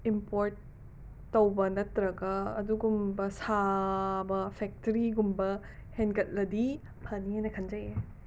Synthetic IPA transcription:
impoɾt̚ː | ɐwbɐnɐtɾɐɡɐːduɡumbɐsabɐpʰek̚tɐɾiɡumbɐ | henkɐt̚lɐdi | pʰɐnienɐkʰɐnd͡ʒɐje

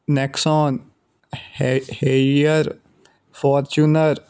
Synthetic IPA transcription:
nɛksɔːn | heəɾ | fɔːɾt͡ʃunəɾ

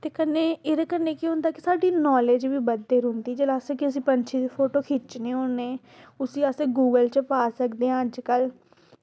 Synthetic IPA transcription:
t̪eːkənːeːeɾaːkənːeːkĩɦʊ̃nd̪aːkɪsaːɖiːnɔːleːd͡ʒʋiːbəd̪ːeːɾʊ̃nd̪iːd͡ʒəlaːsekɪəsĩːpəɲt͡ʃʰiːd̪iːpʰoːʈoːkʰɪt͡ʃnẽːoneː | ʊsĩːaseːɡuːɡəlt͡ʃpaːsəkd̪eːãːd͡ʒkəl

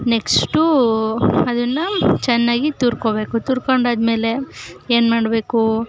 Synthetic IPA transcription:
neksʈu | ɐd̪ɐnːɐt͡ʃɛnːaːɡit̪uːɾkoːbeːkut̪uːɾkoɳɖaːd̪me̞ːle̞eːnmaːɽbeːku

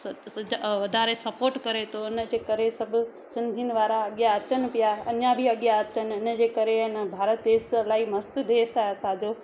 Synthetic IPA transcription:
ʋɐd̪ʱaːɾesɐpoːɾʈkɐɾet̪ʰoɪnəd͡ʑeːkɐɾesɐbʱʊ | sɪ̃nd̪ʱinɪ̆ʋaːɾaɐɠjaɐt͡ɕənɪ̆pɪjaɐɲjãbʱiɐɠjaɐt͡ɕənɪ̆ɪnəd͡ʑeːkɐɾeɪnəbʱaːɾət̪̚d̪eːslaːimɐst̪ud̪eːsaːesaːd͡ʑoː

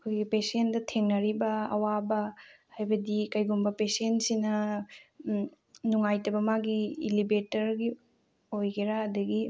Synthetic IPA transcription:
ɐkʰojɡipesendɐtʰeŋnɐɾibɐɐ̰wabɐ | hajbɐdikɐjɡumbɐpesentsinɐ | nuŋajtɐbɐmaɡiːlibetɐɾɡi | ojɡeɾaɐdɐɡi

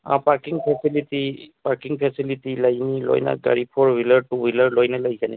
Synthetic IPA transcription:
ã̰paɹkiŋpʰɛsilitipaɹkiŋpʰɛsilitilaɡnilɔ̰jna̰ɡa̰ɹipʰɔɹwiləɹtuwiləɹlɔjnalaɡikani

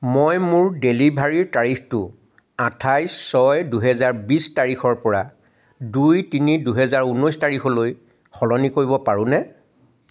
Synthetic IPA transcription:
mojmʊɹdelibʱaɹiɹtaɹixtʊ | atʰajssɔjduɦɛzaɹbistaɹixɔɹpɔɹa | dujtiniduɦɛzaɹunɔjstaɹixʰɔloj | xɔlɔnikoɹibɔpaɹʊ̃nɛ

